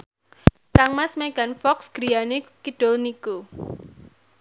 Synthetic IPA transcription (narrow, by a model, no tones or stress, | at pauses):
kaŋmasmeɡ̥a̤nfɔksɡ̥ɾijanekiɖ̥olniku